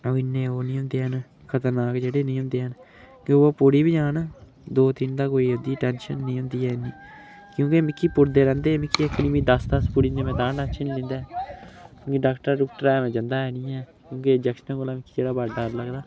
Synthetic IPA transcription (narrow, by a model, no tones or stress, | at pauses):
oːɪnːeːoːnĩːɦʊ̃nd̪eːɦən | kʰət̪əɾnaːkd͡ʒeːɽeːnĩːɦʊ̃nd̪eːɦən | keoopʊɽiːbiːd͡ʒãːn | d̪oːt̪ɪnd̪aːkoːiːɦʊd̪iːʈɛːnʃənːĩːɦʊ̃nd̪iːɛːɪnːiː | kjõːkemɪkʰːiːpʊɾd̪eːɾɛ̃ːnd̪eːmɪkʰːiːəkːnĩːʋĩːd̪əsd̪əspʊɽĩːnd̪eːmɛ̃ːt̪ãːɖaːʃʰənlɪ̃nd̪aː | kjõːkɪɖaːkʈəɾaːɖʊkʈəɾɛːmɛ̃ːd͡ʒənd̪aːɦɛːnĩːɛː | kjõːked͡ʒɛkʃənə̃kolaːmɪkʰːiːd͡ʒeːɽaːbaːɖaːɾləɡd̪aː